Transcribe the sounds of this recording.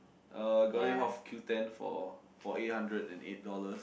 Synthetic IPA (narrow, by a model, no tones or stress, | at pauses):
ʔaɡɔĩɦɔfkʰjutɛ̃nfɔ̰ | fɔet̚hãndɹədɛ̰̃nḛt̚dɔləs